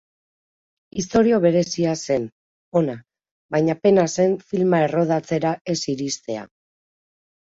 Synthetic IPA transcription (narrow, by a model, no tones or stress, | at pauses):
ist̪o̞ɾio̞βe̞ɾe̞siase̞n | o̞na | bajɲape̞nase̞ɱfilmae̞ro̞ð̞at͡se̞ɾae̞siɾist̪e̞a̰